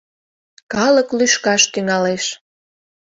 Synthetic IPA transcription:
kɑləklyʃkɑʃt̪yŋɑleʃ

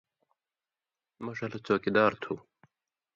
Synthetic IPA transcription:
mɐʂɐlɐt͡ɕoːkid̪aːɾt̪ʰu

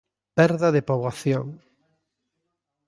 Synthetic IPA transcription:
pɛɾðaðepoβwaθjoŋ

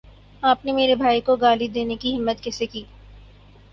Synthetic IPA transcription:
aːpnemeːɾebʱaːikoɡaːlid̪eːnekiɦɪmːət̪kɛːsekiː

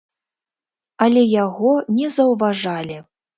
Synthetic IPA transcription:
ɐlʲɛjaɣɔnʲɛzɐwvaʐalʲi

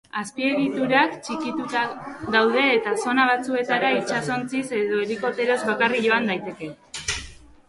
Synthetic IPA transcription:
aspie̞ɣ̞it̪uɾakt͡ʃikit̪ut̪aɣawð̞e̞ːt̪aso̞naβ̞at͡sue̞t̪aɾait͡ʃaso̞nt͡sise̞ðo̞eliko̞t̪e̞ɾo̞zβakarikʝo̞and̪ajt̪e̞ke̞

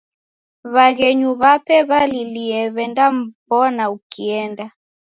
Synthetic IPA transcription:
βaɣɛɲuβapɛβaliliɛβɛndam̩βɔnaukiɛnda

